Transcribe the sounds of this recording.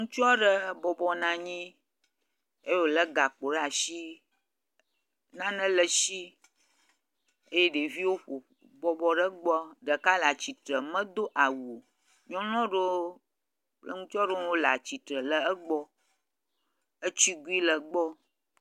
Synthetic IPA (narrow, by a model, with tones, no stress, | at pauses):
ŋũ˦t͡ʃɔ˦ɖə˦bɔ˨bɔ˨nã˨ɲĩ˦ | e˦jo˨lə˦ɡa˨k͡po˨ɖa˨ʃi˦ | nã˦nə̃˦lə˨ʃi˦ | e˦je˦ɖe˨vi˦wo˦ɸo˨ | bɔ˨bɔ˨ɖə˦ɡ͡bɔ˦ɖə˨ka˦la˨t͡ɕi˨t̪ɾə˨mə̃˦d̪o˦ʔa˨wu˨ | ɲɔ̃˦lɔ̃˦ɖo˦ | k͡plə˦ŋũ˦t͡ʃɔ˦ɖo˦wo˦la̰˨t͡ɕi˨t̪ɾə˨lə˦ə˦ɡ͡bɔ˦ | ə˦t͡ɕi˦ɡu˦i˦lə˨ɡ͡bɔ˦